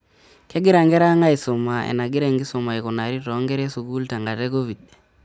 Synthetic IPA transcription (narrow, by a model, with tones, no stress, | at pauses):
kɛ˦ɡɪ˦ɾa˨ŋɡɛ˦ɾa˦ŋa˦i˨so˨ma˨ɛ̰˨na˨ɡɪ˦ɾɛ˨ŋɡɪ˦so˨ma˨i˨kɔ˨na˨ɾi˦tɔ˨˦ŋɡɛ˦ɾɛ˦su˨ɡu˦lta˨ŋɡa˨tɛ˦ko˦vi˨d